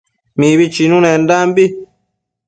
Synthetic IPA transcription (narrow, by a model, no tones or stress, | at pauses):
mĩβit͡ʃinũnẽndambi